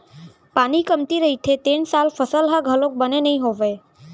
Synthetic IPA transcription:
paːnikəmt̪iɾəɦit̪ʰet̪ensalpʰəsəlɦəɡʱəlok̚bənenəɦĩɦoʋe

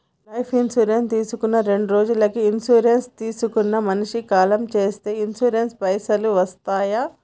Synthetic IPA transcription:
lɐjpʰinsuːɾent̪iːsukunːɐɾe̞ɳɖuɾo̞ːd͡ʒulɐkiinsuːɾenst̪iːsukunːɐmɐniʂikaːlɐmt͡ʃe̞ːst̪e̞ːinsuːɾenspɐjsɐluʋɐst̪aːjɐ

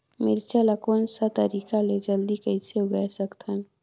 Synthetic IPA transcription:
meɾit͡ʃəlakoːnsat̪əɾiːkaled͡ʒəld̪ikəɪseʊɡajsəkt̪ʰən

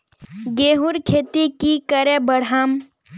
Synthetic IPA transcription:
ɡeːɦuɾkʰeːt̪ikikəɾebəɽ̤am

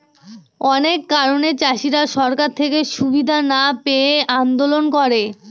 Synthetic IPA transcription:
ɔnekːaɾonet͡ɕaʃiɾaʃɔɾkaɾt̪ʰekeʃubid̪ʱanapeeand̪olonkɔɾe

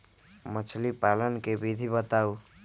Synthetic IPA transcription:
mət͡ʃʰlipalənkebid̪ʱibət̪au

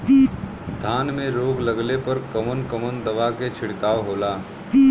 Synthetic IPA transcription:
i | d̪ʱaːnmẽɾoːɡləɡlepɐɾkɐmənkəmənd̪ɐʋaket͡ʃʰɪɽkaːʋɦoːlaː | i

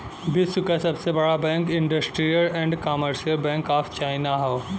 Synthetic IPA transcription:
bɪsʊkasɐbsebɐɽabɛ̃ːŋkɪ̃ɳɖəsʈɾijəlɛ̃ɳɖkaːməɾʃijəlbɛ̃ːŋkaːft͡ʃaːɪnaɦoː

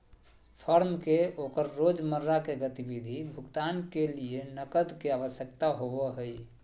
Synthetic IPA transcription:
pʰəɾmkeokəɾːod͡ʒməɾːakeɡət̪ibid̪ʱibʱukt̪ankelienəkəd̪keaβəsjək̚t̪aɦoʋəɦəj

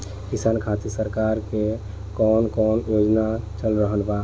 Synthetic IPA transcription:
kisaːnkʰat̪isəɾkaɾke | kɔnkɔnjod͡ʒnat͡ʃəlɾəɦənba

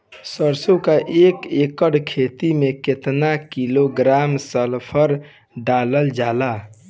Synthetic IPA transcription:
səɾsukaʔekekəɽkʰet̪imeket̪nakiloɡɾamsəlpʰəɾ | ɖaləld͡ʒala

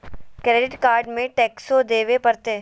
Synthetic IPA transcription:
kɾeːɖɪʈkaːɾɖmẽʈɛːksod̪eːʋepɐɾt̪eː

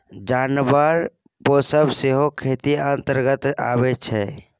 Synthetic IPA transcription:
d͡ʒanbəɾ | posəbseɦokʰet̪iənt̪əɾɡət̪a̰bɛt͡ʃʰɛ

